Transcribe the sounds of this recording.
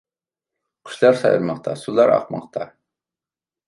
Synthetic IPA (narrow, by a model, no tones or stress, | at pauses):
qɵ̥̆ʃlɑɾsɑjɤ̰̆ɾmɑq̚t̪ʰɑ̰sulˠɑɾɑ̰q̚mɑ̰q̚t̪ɑ